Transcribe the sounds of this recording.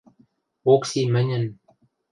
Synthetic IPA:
oksimɘ̆nʲɘ̆n

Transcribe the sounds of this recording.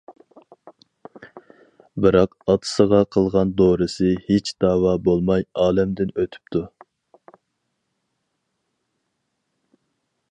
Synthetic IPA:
bɨɾɑqɑt̪ʰɨ̥səʁɑqʰəlˠʁɑnd̪oɾɨsɨhet͡ʃd̪ɑːwɑːbolˠmɑjɑːlɛmd̪ɪnøt̪ʰy̥p̚t̪ʰu

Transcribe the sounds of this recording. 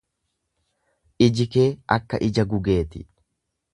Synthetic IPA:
ʔɪd͡ʒɪke̞ːɐkːɐʔɪd͡ʒɐɡʊɡe̞ːt̪ɪ

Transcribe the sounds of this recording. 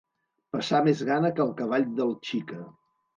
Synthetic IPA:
pəsamezɣanəkəlˠkəβ̞aʎd̪əlˠt͡ʃikə

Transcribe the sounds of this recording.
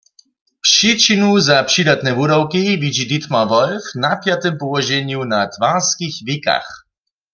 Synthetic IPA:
pʂit͡ʃinuzapʂidat̪nɛvuɾɔwkivid͡ʒid̪it̪mavɔlfnapjat̪ɛmpɔwɔʒɛɲjunat̪vaskixvika̰x

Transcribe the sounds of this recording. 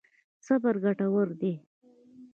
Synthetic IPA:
səbaɾɡaʈawəɾd̪e

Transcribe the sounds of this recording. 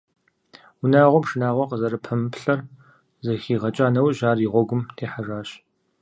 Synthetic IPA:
ʊnaːʁʷɔmʂɨnaːʁʷɔqəzɐɾɨpʰɐmɨpʰɬɐr | zɐxiːʁɐt͡ʃʼaːnɐwʑaːriʁʷɔɡʷʊmtʰeːħaʒaːɕ

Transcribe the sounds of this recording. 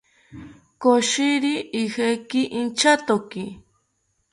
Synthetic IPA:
koʃiɾiihekiʔint͡ʃat̪oki

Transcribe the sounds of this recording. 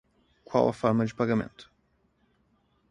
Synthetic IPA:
kwa̰wɐfɔɾmɐd͡ʒɪpaɡamḛ̃nt̪ʊ̥

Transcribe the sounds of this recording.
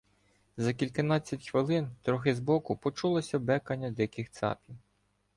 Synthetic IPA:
zɐkʲilʲkɐnɑt͡sʲːɐtʲxʋɪlˠɪnt̪ɾɔxɪzbɔkʊpɔt͡ʃulˠɐsʲɐbɛkɐnʲːɐd̪ɪkɪxt̪sɑ̰pʲiw

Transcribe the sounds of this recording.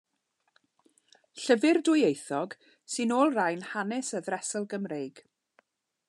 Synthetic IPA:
ɬəvɪrdʊjejθɔɡ | sɨnoːlˠrajnhanɛsəðrɛsəlˠɡəmrejɡ̥

